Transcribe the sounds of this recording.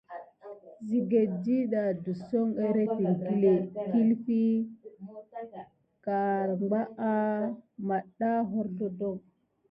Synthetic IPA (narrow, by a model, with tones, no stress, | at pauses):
zi˨ɡe˨di˦ɗa˨du˨so˦ŋe˦ɾe˦ti˨ŋki˦le˨ki˦lfi˦ | ka˨ɾɡ͡ba˦ʔa˦ma˨ɗa˦ɦo˦ɾɬo˦do˦˨ŋ